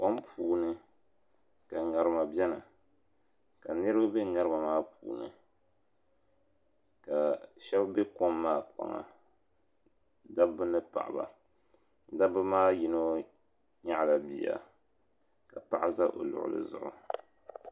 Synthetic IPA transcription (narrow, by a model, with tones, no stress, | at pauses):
ko˦mpʰuː˨nɨ˦ | ka˨ŋa˨ɾɨ˦ma˨bʲɛ˦nɨ˨ | ka˨nɨ˦ɾɨ˦ba˦be˦ŋa˦ɾɨ˦ma˨maː˦puː˨nɨ̰˨ | ka˨ʃɛ˦bbe˦ko˦mːaː˦k͡pa̰˨ŋa̰˨ | da˦bbɨ˦nɨ˦pa̰˨ʔa˨ba̰˨ | da˦bɨ˦maː˦ji˨˦no˦ | ɲa˦ʔla˨bi˨a̰˨ | ka˨pa˨ʔa˦za˦ʔo̰˨lʊ̰˨ʔʊ̰˨lɨ̰˨zʊ̰˨ʔʊ̰˨